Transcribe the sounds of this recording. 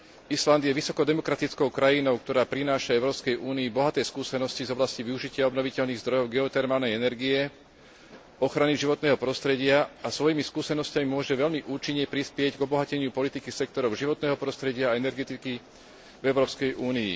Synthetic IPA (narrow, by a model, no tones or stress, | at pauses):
island̪jɛʋisɔkɔd̪ɛmɔkɾat̪it͡skɔʊkɾajinɔʊk̚t̪ɔɾaːpɾinaːʃaɛʊɾɔːpskɛjʔuːniːbɔɦat̪ɛːjskuːsɛnɔscizɔblasciʋiuʒicɪaɔbnɔʋicɛʎniːɣzd̪ɾɔjɔʊɡɛɔt̪ɛɾmaːlnɛjɛnɛɾɡiɛ | ɔxɾaniʒiʋɔt̪nɛːɦɔpɾɔst̪ɾɛɟɪaasʋɔjimiskuːsɛnɔscamimʊɔʒɛʋɛʎmiʔuːt͡ʃiɲːɛpɾispɪɛɟɡɔbɔɦacɛɲɪupɔlit̪ikisɛk̚t̪ɔɾɔʊʒiʋɔt̪nɛːɦɔpɾɔst̪ɾɛɟɪaːɛnɛɾɡɛt̪iki | vɛʊɾɔːpskɛjʔuːniḭ